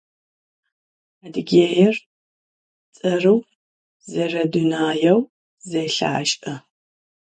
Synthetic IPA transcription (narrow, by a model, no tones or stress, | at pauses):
adɨɡʲeːjɛr | t͡sʼɐrɨw | zɐrɐdunaːjɐw | zɐjɬa̰ʕaʃʼʔɐ